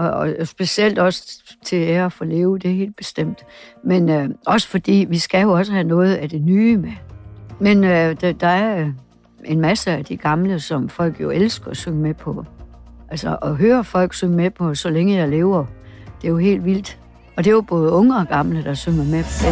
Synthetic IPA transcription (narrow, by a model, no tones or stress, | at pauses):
ɒsb̥e̝siel̰d̥ɒ̽sə̥t͡sʰe̝eɐfɔle̝ːʊd̥e̝æɦe̝̰ːld̥̚b̥e̝sd̥em̰d̥menɒ̽sə̥fɒ̽d̥ḭːʋisɡ̥æjo̝ɒ̽s̬əhænɔ̽ːð̞̩ˠæd̥enyːmemenød̥d̥ɑ̈æɐ | ʔe̝nmæsəæd̥iɡ̥ɑ̈mləsɒ̽mfɒ̽l̰ɡ̥jo̝ʔelsɡ̥ɐɒsøŋəmepʰɒ̽ʔælsɒʔɒ̽ɦøːɐfɒ̽l̰ɡ̥søŋmepʰɒ̽sɒ̽leŋəjɑ̈ɪle̝ːʊɐd̥e̝jo̝ɦe̝̰ːld̥ʋil̰d̥ | ɒ̽d̥e̝job̥ɔ̽ːð̞̩ˠɔ̽ŋəɒ̽ɡ̥ɑ̈mləd̥ɑ̈søŋɐmepʰɒ̽